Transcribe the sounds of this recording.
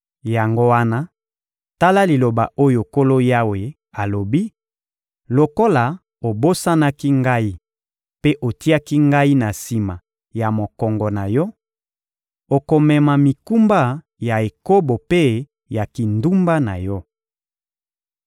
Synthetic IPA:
ja˨ŋɡo˦wa˦na˦ | ta˦la˦li˨lo˨ba˨ʔo˦jo˨ko˦lo˦ja˦we˨ | a˨lo˨bi˦ | lo˨ko˦la˨ | o˨bo˦sa˦na˦ki˦ŋɡa˦i˦ | pe˦ʔo˨ti˦a˦ki˦ŋɡa˦i˦na˨si˨ma˨ | ja˨mo˨kɔ˨ŋɡɔ˨na˨jɔ˦ | o˨ko˨mɛ˨ma˨mi˨ku˦mba˦ | ja˨e˨ko˦bo˨pe˦ | ja˨ki˨ndu˦mba˦na˨jɔ˦

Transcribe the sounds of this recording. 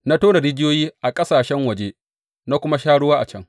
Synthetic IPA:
na˦toː˦na˨ɾɪ˦d͡ʒɪ˦joː˦jiː˦ʔa˨kʼɐ˦saː˨ʃɛ˦ŋwɐ˨d͡ʒe˦ | na˦kʷʊ˦ma˦ʃaː˦ɽʊ˦waː˦ʔa̰˨t͡ʃɐ˦ŋ

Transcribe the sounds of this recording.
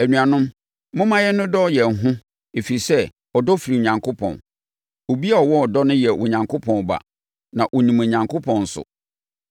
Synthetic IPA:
æ˨nũ˨a˨nʊ̃˦m | mʊ̃˦mã˦jɛ˦nʊ̃˦dɔ˦jɛ˨ŋ˨ɦʊ̃˦ | e˨fi˨i˨sɛ˦ | ɔ˨dɔ˦fi˨ɾi˨ɲã˨ŋkʰʊ˦pʰɔ̰̃˨n | o˨bi˦a˦ɔ˨wɔ˦ɔ˨dɔ˦nʊ̃˦jɛ˨wʔɔ˨ɲã˨ŋkʰʊ˦pʰɔ̃˨n˨ba̰˨ | nã˨ʔo˨nĩ˨mẽ˨ɲã˨ŋkʰo˦pʰɔ̃˨n̩˨sʊ̰˨

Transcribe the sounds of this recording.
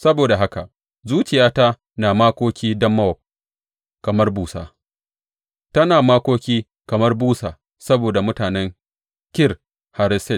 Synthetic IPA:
sɐ˦boː˨da˨ɦa˦ka˨ | zuː˦t͡ʃɪ˨jaː˦ta˦ | naː˨maː˦kʷoː˦kʲiː˦dɐ˦mːɐ˦wɔ˨ | kɐ˨mɐ˦rbuː˨sa̰ː˨ | tɐ˦naː˨maː˦kʷoː˦kʲiː˦ | kɐ˨mɐ˦rbuː˦saː˨ | sɐ˦boː˨da˨mʊ˦taː˨nɛ˦ŋ | kʲɪ˦r | ha˨ɾɪ˦sɛ˦˨t

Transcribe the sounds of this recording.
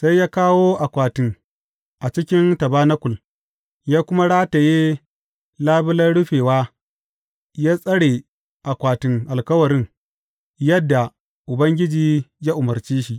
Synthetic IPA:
sa˦jjaː˦kaː˦woː˦ʔa˨kʷaː˨tɪ˦ŋ | ʔa˨t͡ʃɪ˦kʲɪ˦ntɐ˨baː˦nɐ˦kʷʊ˨l | jaː˦kʷʊ˦ma˦ɽaː˦ta˨jeː˦ | laː˦bɪ˦lɐ˦nɽʊ˦ɸeː˨waː˦ | jaː˦sʼɐ˦ɽeː˨ | ʔa˨kʷaː˨tɪ˨ŋʔa˨lkɐ˦wɐ˨ɾɪ˦ŋ | jɐ˦dːa˨ | ʔʊ˨bɐ˦ŋɡʲɪ˦d͡ʒiː˨jaː˦ʔʊ˨mɐ˨rt͡ʃiː˦ʃi˦ʔ

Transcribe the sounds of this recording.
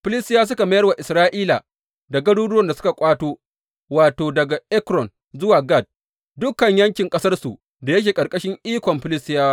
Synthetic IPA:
ɸɪ˦lɪ˦stɪ˦jaː˦s̬ʊ˦ka˨mɐ˦jɐ˦rwa˨ʔɪ˨sɾaː˦ʔiː˦la̰˨ | da˨ɡɐ˦ɽuː˦dʊ˦wɐ˦nda˨sʊ̥˦ka˨kʷʼaː˦toː˦ | waː˨toː˨dɐ˨ɡa˨ʔɛ˦kɾɔ˨n | zʊ˦waː˨ɡa˦˨d̚ | dʊ˦kɐ˨ɲjɐ˦ŋkʲɪ˨ŋkʼɐ˦sɐ˦rsu˨ | da˨jɐ˦k̬ʲeː˨kʼɐ˨ɾkʼɐ˦ʃɪ˦ŋʔiː˦kʷɔ˨mɸɪ˦lɪ˦stɪ˦jaː˦wa˦

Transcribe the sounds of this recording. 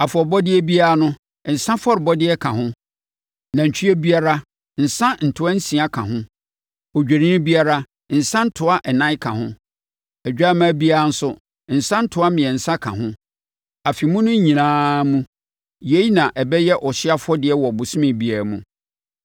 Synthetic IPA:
a˨fɔ˨bɔ˦dɪ˦ɛ˦bi˦a˦a˦nʊ̃˦˨ | n̩˨sã˦fɔ˦ɾɪ˨bɔ˦dɪ˦ɛ˦kʰã˨hʊ̃˦ | nã˨ɲ̩˨t͡ɕʰᶣi˦e˦bi˦a˦ɾa˦ | n̩˨sã˦n̩˨tʰʊ˦a˦n̩˦sĩ˨a˦kʰã˨ɦʊ̃˦ | ɔ˨d͡ʑᶣe˨nĩ˦bi˦a˦ɾa˦˨ | n̩˨sã˦n̩˦tʰʊ˨a˦ʔɛ˨nã˦ɪ˦kʰã˨ɦʊ̃˦ | ɛ˨d͡ʑᶣa˦mã˦bi˦a˦a˦n̩˦sʊ˦ | n̩˨sã˦n̩˦tʰʊ˨a˦mɪ̃˨ɛ˨n̩˨sã˦kʰã̰˨ɦʊ̃˦ | a˨fi˨mũ˦nʊ̃˦ɲĩ˨nãː˦mũ˦ | je˦i˦nã˨ʔɛ˨bɛ˦jɛ˦ʔɔ˨ɕɪ˦a˦fʊ˦ɔ˦dɪ˨ɛ˦wɔ˨bʊ˨sʊ̃˦mɪ̃˨bi˦a˨ɾmũ˨

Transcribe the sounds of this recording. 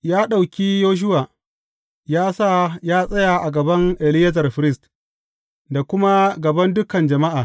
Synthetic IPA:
jaː˦ɗa˨wkʲiː˦joː˦ʃ̬ʊ˦waː˨ | jaː˦sa˦jaː˦sʼɐ˦ja˨ʔa˨ɡɐ˨bɐ˦ŋʔɛ˨lɪ˦jɐ˦zɐ˨rɸɪ˨ɾɪ˦˨st | da˨kʷʊ˦ma˦ɡɐ˨bɐ˦ndʊ˦kɐ˨nd͡ʒɐ˨ma˦ʔaː˨

